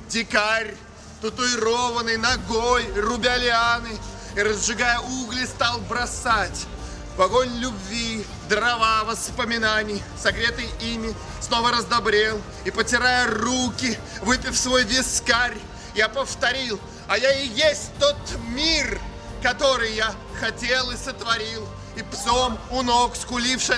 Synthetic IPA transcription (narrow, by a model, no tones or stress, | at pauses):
dʲɪkaɾʲ | t̪ʊt̪ʊɪɾovənɨjnɐɡojrʊbʲɪɐlʲɪanɨ | iɾəzʐɨɡajəuɡlʲɪst̪alˠbɾɐsatʲ | vɐɡo̞nʲlʲʊbvʲi | d̪rɐvavəspəmʲɪnanʲɪj | sɐkɾʲet̪ɨjimʲɪ | sno̞vəɾəzd̪ɐbɾʲe̞lˠ | ipətʲɪɾajərukʲɪ | vɨpʲɪfsvojvʲɪskarʲ | japəft̪ɐɾʲilˠ | ɐjaɪjesʲtʲt̪ot̪mʲir | kɐt̪o̞ɾɨjja | xɐtʲelˠɪsət̪vɐɾʲilˠ | ɪpsomʊnokskʊlʲifʂɨ